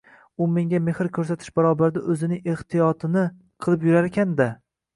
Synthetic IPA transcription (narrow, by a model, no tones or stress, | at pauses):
ʊme̞ŋɡʲamehɪɾkʲʰɵɾsat̪ʰɪ̥ʃbaɾɒbaɾd̪aʔɵzɪnɪŋeht̪ʰijɒt̪ʰɪnɪ | qʰɨlˠɪpjʊɾaɾekʲʰand̪a